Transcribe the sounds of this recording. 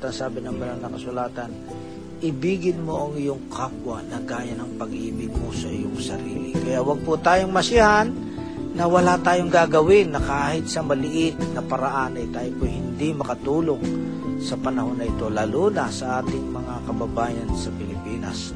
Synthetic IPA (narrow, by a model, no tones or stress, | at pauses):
t̪ɐŋsaːbɪnɐŋmɐlalnɐkɐsʊlaːt̪ɐn | ʔɪbiːɡɪnmoʔɐŋɪjoŋkʰak̚wanɐɡaːjɐnɐŋpɐɡʔiːbɪɡ̚kosɐ̰ʔɪ̰joŋsɐ̰ɾḭːlɪ̰kɐjaʔwɐɡ̚pʊt̪aːjoŋmɐsɪɐhanː | ɐwɐlat̪aːjoŋɡaːɡɐwɪnːɐkaːhɪt̪̚sɐmɐlɪʔɪt̪̚nɐpɐɾɐʔanɐjt̪aːjopʊjhɪnd̪imɐkɐt̪uːloŋ | sɐpɐnɐho̞nːɐʔɪt̪o̞lɐluːnɐsɐʔaːt̪ɪŋmɐŋakɐbɐbaːjɐnsɐpɪlɪpiːnɐ̰s